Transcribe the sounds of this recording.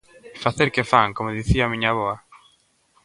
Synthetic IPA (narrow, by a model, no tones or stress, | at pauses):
faθeɾkefaŋkomoðiθiaːmĩɲaβɔa